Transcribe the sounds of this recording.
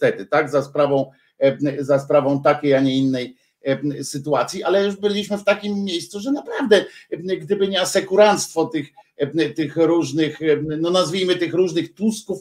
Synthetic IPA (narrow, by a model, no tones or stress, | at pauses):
t̪ɛt̪ɘt̪aɡzaspɾavɔ̃w̃ | zaspɾavɔ̃w̃t̪akʲejaɲɛinːɛj | sɘt̪uat̪sʲjiʔalɛjuʂbɘlʲiɕmɘft̪akʲimʲːjejst̪suʐɛnapɾavd̪ɛɡd̪ɘbɘɲɛasɛkuɾant̪st̪fɔt̪ɘxt̪ɘxɾuʐnɘxnɔnazvʲijmɘt̪ɘxɾuʐnɘxt̪uskuf